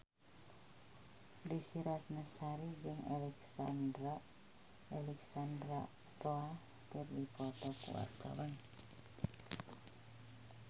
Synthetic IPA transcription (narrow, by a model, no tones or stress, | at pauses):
lisiɾat̪̚nəsaɾid͡ʒəŋalɛksandɾa | alɛksand̪ɾa | ɾoas | kərdipɔt̪ɔkṵa̰k̪a̰wən